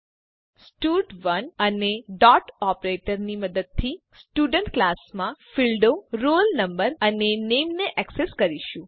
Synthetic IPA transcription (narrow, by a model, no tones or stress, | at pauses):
sʈuʈʋənəneɖɔʈɔpɾeʈəɾniməd̪əd̪̚t̪ʰi | sʈuɖəɳʈklasmãfilɖoɾolnəmbəɾənenemneʔɛkseskəɾiʃũ